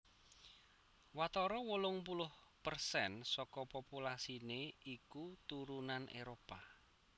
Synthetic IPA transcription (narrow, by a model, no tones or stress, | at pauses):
wat̪ɔɾɔwəlʊŋpulʊhpərsɛnsɔkɔpopulasineikut̪uɾunanʔḛɾopa